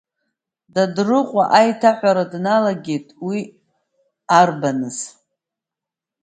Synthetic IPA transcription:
dadrɨqʷʼaʔajtʰaħʷaɾadnalaɡʲe̞jtʼwi | arbanɨz̥

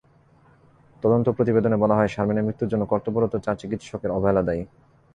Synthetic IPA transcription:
t̪ɔd̪ont̪opɾot̪ibed̪onebɔlaɦɔeʃaɾmineɾmɾit̪ːuɾd͡ʑonːokɔɾt̪opoɾot̪ot͡ɕaɾt͡ɕikit̪ʃɔkeɾɔbʱaelad̪ai

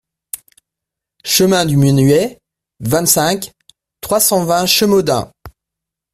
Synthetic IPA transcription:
ʃəmɛ̃d̪ymynɥɛ | vɛ̃t̪sɛ̃k | t̪χwasɑ̃vɛ̃ʃəmod̪ɛ̰̃

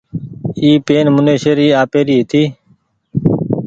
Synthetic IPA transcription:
iːpeːnmʊneːʃeːɾiːaːpeːɾiːɦɪt̪ʰiː

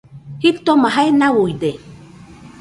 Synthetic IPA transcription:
hipt̪omaɦaenawujd̪e

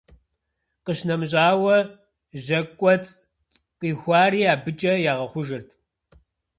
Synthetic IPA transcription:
qəʃnɐmʑʼaːwɐ | ʑɐkʷʼɔt͡sʼ | qiːxʷaːriːaːbɨt͡ʃʼɐjaːʁɐχʷʊʒɨrtʰ

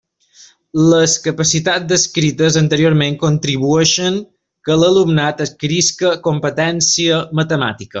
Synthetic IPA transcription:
ləskəpəsit̪at̪d̪əskɾit̪əzənt̪əɾioɾmeŋkont̪ɾiβueʃəŋ | kələlumnat̪əkɾiskəkompət̪ɛnsiəmət̪əma̰t̪ikə̰

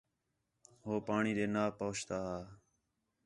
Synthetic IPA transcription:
ɦoːpaːɳiːɗ̪eːnaːpoːt͡ʃt̪aːɦaː

